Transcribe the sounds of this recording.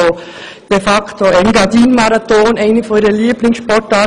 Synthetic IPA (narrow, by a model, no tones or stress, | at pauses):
o | d̥efɑktoɛɪnɡɑdiːnmɑɾɑt̪oːnɛɪnfɔniːɾəliːblɪŋsʃpɔtɑː